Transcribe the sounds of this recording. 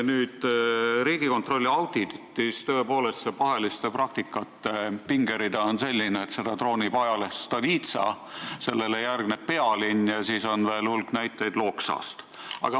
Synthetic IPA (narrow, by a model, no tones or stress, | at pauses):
nyːd̪̥ɾiːɡ̥iko̞nt̪ro̞lʲːiɑwd̪̥it̪ːist̪ø̞epo̞ːle̞st̪sepɑɦe̞list̪eprɑk̚t̪ikːˑɑt̪ːˑepiŋɡe̞ɾid̪ɑonse̞lʲːineːt̪se̞d̪̥ɑt̪ro̞ːnʲipɑjɑlest̪ɑviːt̪sɑ̰ | se̞lːe̞lejærɡ̥neppe̞ɑlinjɑsiːso̞nve̞ːlulknæjt̪ːˑejd̪̥lo̞ːksɑ̰st̪ | ɑ̰ɡ̥ɑ